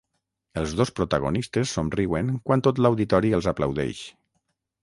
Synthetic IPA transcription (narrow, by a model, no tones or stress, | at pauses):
əlˠzðospɾot̪aɣ̞onist̪esːomriweŋkwant̪ot̪lawðit̪ɔɾiəlˠzapla̰wðɛ̰ʃ